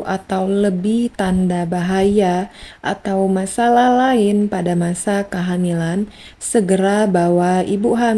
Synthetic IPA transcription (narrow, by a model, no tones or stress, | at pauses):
ʔat̪awləbɪht̪andabaɦajaʔa̰t̪awmasalahlaɪnpadamasakaɦamilan | səɡəɾabawaibuɦam